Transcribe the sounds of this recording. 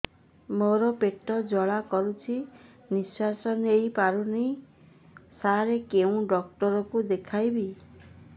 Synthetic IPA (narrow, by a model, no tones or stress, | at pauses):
moɾɔpeʈɔd͡ʒɔɭakɔɾut͡ʃʰi | niswasɔnejpaɾunej | saɾekeũɖɔk̚ʈɔɾɔkud̪ekʰajbi